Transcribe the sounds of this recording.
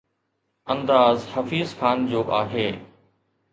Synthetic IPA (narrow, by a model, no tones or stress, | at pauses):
ɐ̃nd̪aːzhɐfiːzxaːnd͡ʑoːʔaːɦeː